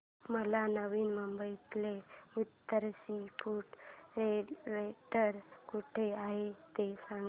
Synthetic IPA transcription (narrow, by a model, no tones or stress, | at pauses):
məlanəʋiːnməmbəjt̪leut̪ːəɾsipuʈɾeleʈəɾkuʈʰeaɦet̪esaŋ